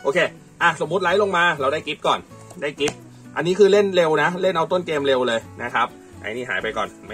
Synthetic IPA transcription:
ʔoː˧kʰeː˧ | ʔa˧˩so˩˦mːu˦˥t̪̚la˦˥jlo˧ŋmaː˧ɾa˧wdaː˥˩jki˦˥p̚kɔː˨˩n | daː˥˩jki˦˥p̚ | ʔa˧nːiː˦˥kʰɯː˧le˥˩nle˧wna˦˥le˥˩nʔa˧wt̪o˥˩nkeː˧mle˧wlɤː˧jna˦˥kʰɾa˦˥p̚ | ʔa̰˧˩niː˥˩ɦa̰ː˩˦jpa˧jkɔː˨˩nma˥˩

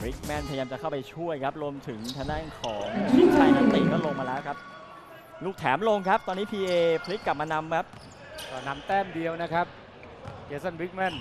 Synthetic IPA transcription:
ɾi˦˥k̚mɛ˦˥˩npʰa˧jaː˧mt͡ɕa˨˩kʰa˥˩wpa˧jt͡ɕʰu˥˩əjkʰa˦˥p̚ɾu˧əmt̪ʰɯ˩˦ŋt̪ʰa˧na˥˩˨ŋkʰɔː˩˦ŋt͡ɕʰi˦˥t͡ɕʰa˧˩jna˦˥nt̪iː˧kɔ˦˥lo˧ŋmaː˧lɛː˦˥wkʰa˦˥p̚ | luː˥˩k̚t̪ʰɛː˩˦mlo˧ŋkʰa˦˥p̚t̪ɔː˧nːiː˦˥pʰiː˧ʔeː˧pʰli˦˥kːa˨˩p̚maː˧na˧mkʰa˦˥p̚ | kɔː˧˩na˧˥mt̪ɛː˥˩mdi˧əwna˦˥kʰa˦˥p̚ | keː˦˥sa˥˩nwi˦˥k̚mɛ˥˩n

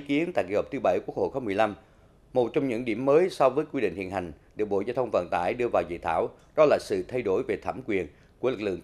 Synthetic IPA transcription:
ki˨˦ənt̪a̰˧˨jkḭ˧˩hɔ˨˩p̚t̪ɨ˨˦ɓə˧˩jku˦˥ək̚ho̰˧˨˩xo˧˦mɨ˨˩əjla˧m | mo˨˩t̚t͡ɕɔ˧wŋ͡mɲɨ̰˧˥ŋɗḭ˧˩əmːəː˨˦jsɔ˧wvəː˨˦jkwi˧ɗḭ˧˨ŋ̟h̪ʰḭ˧˨nha˨˩ŋ̟ɗɨ˨˩ək̚ɓo̰˧˨zɔː˧wt̪ʰə˧wŋ͡mvə̰˧˨nt̪a̰ː˧˩jɗɨ˧əvaː˨˩wzḭ˧˨t̪ʰaː˧˩w | ɗɔ˨˦laː˨˩sɨ̰˧˨t̪ʰa˧jɗo˧˩jve˨˩t̪ʰaː˧˩mkwi˨˩ən | ku˧˩əlɨ˨˩k̚lɨ̰˧˨əŋ

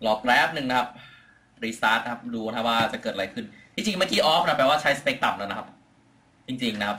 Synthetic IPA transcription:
lɔː˨˩kɾɛː˦˥p̚nɯ˨˩ŋna˦˥a˦˥p̚ | ɾiː˧saː˦˥t̪̚a˧kʰa˦˥p̚duː˧a˦˥waː˥˩t͡ɕa˨˩kɤː˨˩t̪̚ɾa˧˦jkʰɯ˥˩nt̪ʰi˧˩t͡ɕi˧ŋmaː˥˩kiː˧ʔɔː˦˥p̚ʰʔa˧˩pɛː˧waː˥˩t͡ɕʰa˦˥jsa˧peː˦˥k̚t̪a˨˩m̚laː˦˥˩na˧kʰa˦˥p̚ | t͡ɕi˧ŋt͡ɕi˧ŋna˦˥kʰa˦˥p̚

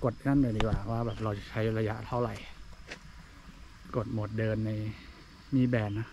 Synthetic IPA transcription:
ko˨˩t̪̚ŋa˥˩˨ndɤː˧ndiː˨˩kwaː˨˩waː˥˩bɛː˨˩p̚ɾa˧wt͡ɕa˨˩t͡ɕʰa˦˥jɾa˧ja˦˥ʔt̪ʰa˥˩wɾa˨˩j | ko˨˩t̪̚mo˨˩t̪̚dɤː˧nːa˧j | miː˧˥˩bɛː˧nːa˦˥

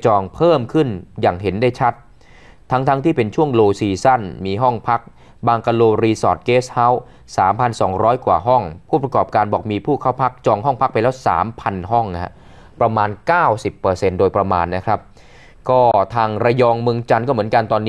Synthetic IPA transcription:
t͡ɕɔː˧ŋpʰɤː˥˩mkʰɯ˥˩njaː˨˩ŋɦe˩˦ndaː˥˩jt͡ɕʰa˦˥t̪̚ʰː | a˦˥ŋt̪ʰa˦˥ŋt̪ʰiː˥˩pe˧nt͡ɕʰu˥˩əŋloː˧siː˧sa˥˩nmiː˧ɦɔ˥˩ŋpʰa˦˥k̚ | baː˧ŋka˧loː˧ɾiː˧sɔː˨˩t̪̚keː˦˥sha˦˥w | saː˩˦mpʰa˧nsɔ̰ː˩˦ŋɾɔː˦˥jkwaː˨˩ɦɔ˥˩ŋpʰuː˥˩pɾa˧kɔː˨˩p̚kaː˧nbɔː˨˩k̚miː˧pʰuː˥˩kʰaː˥˩wpʰa˦˥k̚t͡ɕɔː˧ŋɦɔ˥˩ŋpʰa˦˥k̚pa˧jlɛː˦˥wsa̰ː˩˦mpʰa˧nɦɔ˥˩ŋ˥ha̰˦˥ʔ | pɾa˧maː˧nkaː˥˩wsi˨˩pːɤː˧se˧ndoː˧jpɾa˧maː˧nːa˦˥kʰɾa˦˥p̚ | kɔː˥˩t̪ʰaː˧ŋɾa˧jɔː˧ŋmɯ˧ŋt͡ɕa˧nkɔː˥˩mɯ˩˦nka˧nt̪ɔː˧nːiː˦

